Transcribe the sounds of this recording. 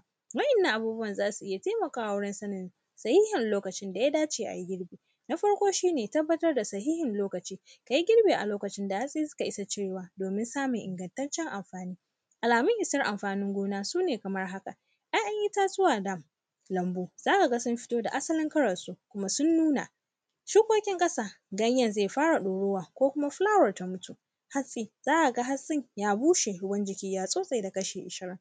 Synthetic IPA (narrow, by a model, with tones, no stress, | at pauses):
wɐ˦ʔɪ˨nːa˦ŋʔa˨buː˦bʊ˦wɐ˨nzaː˦su˨ʔɪ˦ja˨teː˦mɐ˨kaː˦wwʊ˦ɽɪ˦nsɐ˦nɪ˨n | sɐ˨hiː˦hɪ˨nloː˦kɐ˨t͡ʃɪ˦nda˨ja˦daː˦t͡ʃeː˨ʔa̰˨ji˦ɡʲɪ˦ɽbeː˨ | na˦ɸɐ˦ɽkʷoː˦ʃiː˦neː˨tɐ˦bːɐ˦tɐ˦rda˨sɐ˨hiː˦hɪ˨nloː˦kɐ˨t͡ʃiː˦ | ka˨ji˦ɡʲɪ˦ɽbeː˨ʔa̰˨loː˦kɐ˨t͡ʃɪ˦nda˨ja˦sʼi˦sʊ̥˦ka˨ʔɪ˦sa˨t͡ʃeː˦˨waː˨doː˨mɪ˦nsaː˦me˨ŋʔɪ̰˨ŋɡɐ˨ntɐ˦nt͡ʃɛ˦ŋʔa˨mɸaː˨niː˦ | ʔa˨laː˨mʊ˦ŋʔɪ˨sɐ˦rʔa˨mɸaː˨nɪ˦ŋɡʷoː˦naː˦suː˦neː˨kɐ˨mɐ˦rɦa˦ka̰˨ | ʔa˦ʔɐ˦ŋʔɪ˦taː˦zʊ˦waː˨dɐ˦˨m | lɐ˨mboː˦z̥aː˦ka˨ɡa˦sʊ˦mɸɪ̥˦toː˦da˨ʔa˦sɐ˦lɪ˦ŋkɐ˦ɽɐ˨nsu˦kʷʊ˦ma˦sʊ˦nːuː˦na̰˨ | ʃuː˦kʷoː˦kʲɪ˦ŋkʼɐ˦saː˦ɡɐ˦ɲjɐ˨nzeː˦˨ɸaː˦ɽa˨ɗoː˨ɽoː˦waː˨kʷoː˦kʷʊ˦ma˦ɸlaː˦wɐ˨rta˦mʊ˦tu˨ | ha˦sʼiː˨z̥aː˦ʔa˨ɡa˦ɦa˦sʼɪ˦ɲjaː˦buː˦ʃe˨hʊ˦bɐ˦nd͡ʒɪ˨kʲiː˦jaː˦sʼoː˦sʼa˨jda˨kɐ˦ʃeː˨ʔɪ˨ʃɪ˦ɾɪ˦ŋ